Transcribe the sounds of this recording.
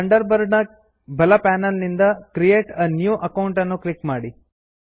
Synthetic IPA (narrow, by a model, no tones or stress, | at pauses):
ɐɳɖɐɾbɐɾɖnɐ | bʱɐlɐpaːnɐlnind̪ɐkɾijeːʈɐnjuːʔɐkɐwuɳʈɐnːuklikmaːɽi